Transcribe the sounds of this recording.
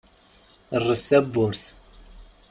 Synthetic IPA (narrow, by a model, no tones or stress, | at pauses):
ərˤːəsæbːʊɾθ